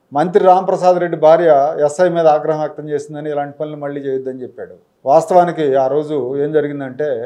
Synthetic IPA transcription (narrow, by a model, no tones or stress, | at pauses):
mɐnt̪ɾiɾaːmɐpɾɐsaːd̪ɾe̞ɖːibʱaːɾjɐɛsːɐjmiːd̪ɐaːɡɾɐɦɐmɐːk̚t̪ɐmt͡ʃe̞ːsind̪ɐnilaːɳʈipɐnulumɐɭːiːt͡ʃeːjid̪ːɐnit͡ʃepːaːɽu | ʋaːst̪ɐʋaːnikiaːɾo̞ːd͡ʒue̞ːmd͡ʒɐɾiɡind̪ɐɳʈe̞ː